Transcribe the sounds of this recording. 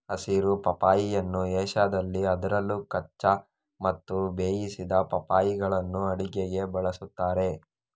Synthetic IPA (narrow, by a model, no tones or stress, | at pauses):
ɐsiɾupɐpaːjijɐnːuɛːʃaːd̪ɐlːiɐd̪ɐɾɐlːukɐt͡ʃːɐ | mɐt̪ːubeːjisid̪ɐpɐpaːjiɡɐɭɐnːuɐɽiɡeɡe̞bɐɭɐsut̪ːaːɾe̞